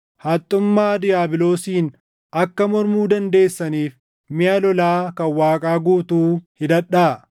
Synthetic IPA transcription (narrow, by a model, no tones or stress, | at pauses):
hɐt̪ʼːʊmːaːd̪ɪjaːbɪlo̞ːsiːn | ʔɐkːɐmɔɾmuːd̪ɐnd̪e̞ːsːɐniːf | mɪjɐlɔlaːkɐwaːkʼaːɡuːt̪uːhɪd̪ɐᶑaː